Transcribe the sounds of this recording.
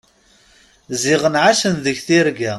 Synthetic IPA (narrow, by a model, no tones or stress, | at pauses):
ziʁənʕaʃənðəʝθiɾɡæ